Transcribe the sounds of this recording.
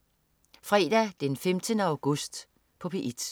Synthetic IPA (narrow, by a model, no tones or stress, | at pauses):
fʁɛːd̥æd̥enfemd̥ənəɑ̈ʊɡ̥ɔsd̥ | pʰɒ̽pʰe̝ʔid̥